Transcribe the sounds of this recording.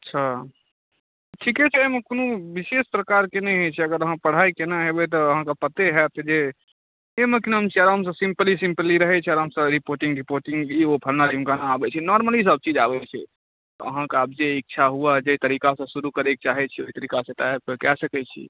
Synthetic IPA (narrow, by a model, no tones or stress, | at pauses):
ətːʃʰa | ʈʰikɛt͡ʃʰɛemẽkonõbisespɾəkaɾkenɛ̃ɦet͡ʃʰɛəɡəɾəɦãpəɽ̤ajkenaɦebɛt̪̬ɔːɦãkapət̪eɦɛt̪ɔd͡ʒe | emekinɦəmt͡ʃʰiaɾaɦəms̬ə̃sĩmpəlisĩmpəliɾəɦɛt͡ʃʰɛaɾɦəmsə̃ɾipoɾʈiŋɡɾipoɾʈĩŋɡiopʰəlnad͡ʒimkanaːbɛt͡ʃʰɛnɔɾməlis̬əb̚t͡ʃid͡ʒabɛt͡ʃʰɛ̰ | t̪ɔə̰ɦãkaab̚d͡ʒeik̚t͡ʃʰaɦuad͡ʒeit̪əɾikasə̃suɾukəɾek̚t͡ʃaɦɛt͡ʃʰɛoɦit̪əɾikasẽt̪aɦepəkɛsəkɛt͡ʃʰḭ